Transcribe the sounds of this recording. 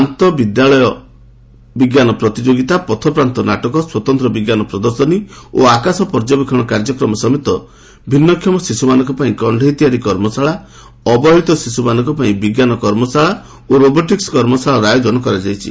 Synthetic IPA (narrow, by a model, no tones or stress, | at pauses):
ant̪ɔbid̪jaɭɔjɔ | biɡjanɔpɾɔt̪id͡ʒoɡit̪apɔt̪ʰɔpɾant̪ɔnaʈɔkɔswɔt̪ɔnt̪ɾɔbiɡjanɔpɾɔd̪ɔɾsɔnio̰akasɔpɔɾd͡ʒɔbikʰɔɽ̃ɔkaɾd͡ʒɔkɾɔmɔsɔmit̪ɔ | bʱinːɔkʰːjɔmɔsisumanɔŋkɔpaĩkɔɳɖʱɔit̪ijaɾikɔɾmɔsaɭa | ɔbɔɦit̪ɔsisumanɔ̃ŋkɔpaĩbiɡjanɔkɔɾmɔsaɭa | oɾobɔʈikskɔɾmɔsaɭaɾajod͡ʒɔnɔkɔɾad͡ʒajt͡ʃʰḭ